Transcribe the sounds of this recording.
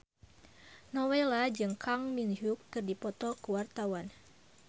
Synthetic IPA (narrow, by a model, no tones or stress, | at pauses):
nɔwelad͡ʒɨŋkʰaŋminɦukːɨrdipɔt̪ɔkuwart̪awan